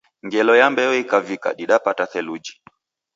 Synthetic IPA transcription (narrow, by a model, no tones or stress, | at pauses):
ŋɡɛlɔjambɛɔikavika̰ɗiɗapataθɛlud͡ʒi̥